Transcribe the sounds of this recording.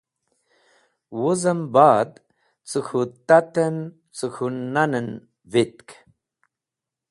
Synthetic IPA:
wuzəmbaːd̪ | t͡sɨkʰut̪at̪ən | t͡sɨxʰunnanən | vit̪k

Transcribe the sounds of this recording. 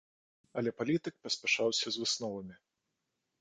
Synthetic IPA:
ɐlʲɛpalʲit̪ɨk̚pɐsʲpʲɛʂawsʲɐzvɨsnɔvɐmʲi

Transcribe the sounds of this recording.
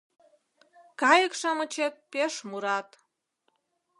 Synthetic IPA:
kɑjəkʃɑmə̆t͡ɕet̪̚peʃmuɾɑt̪

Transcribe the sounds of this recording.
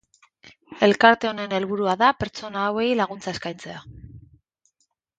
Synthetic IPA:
e̞lkaɾt̪e̞one̞ne̞lβuɾuaðape̞ɾt͡so̞naːwe̞jlaɣ̞unt͡saeskajnt͡se̞a

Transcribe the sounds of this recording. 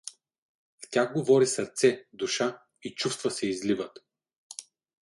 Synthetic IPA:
ftʲaxɡovɔɾisəɾt̪sɛd̪uʃa | it͡ʃufst̪vəsɛizlivət̪

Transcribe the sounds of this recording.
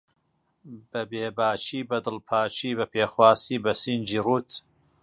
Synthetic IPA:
bɐbeːbaːt͡ʃʰiːbɐd̪ɨlpʰaːt͡ʃʰiːbɐpʰeːxwaːsiːbɐsind͡ʒiːruːt̪

